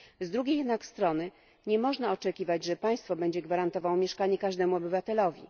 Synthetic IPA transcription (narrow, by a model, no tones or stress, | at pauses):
zd̪ɾuɡʲejɛd̪nakst̪ɾɔnɘ | ɲɛmɔʐnaɔt͡ʂɛkʲivad͡ʑʐɛpaj̃st̪fɔbɛɲd͡ʑɛɡvaɾant̪ɔvawmʲjɛʂkaɲɛkaʐd̪ɛmuɔbɘvat̪ɛlɔvʲḭ